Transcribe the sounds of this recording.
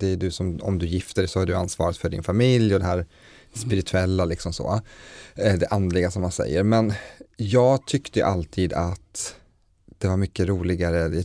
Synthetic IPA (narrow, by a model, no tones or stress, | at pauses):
d̪ɛɖɵsɔmɔ̰md̪ɵjɪft̪əɖɛsɔhaɖɵansvɑ̰ːɾɪt̪fœɖɪ̰nfamɪljɔd̪ɛɦæːɾ | spɪɾɪt̪ʰɵɛlːalɪksɔmso̰ː | d̪ɛʔand̪lɪɡasɔmhansɛ̰jːəɾmɛnjɑːɡt̪ʰʏkt̪əjʉ̰ʔalt̪ʰiːd̪at̪ | d̪̥ɛvaɾmʏkːəɾuːlɪɡaɾə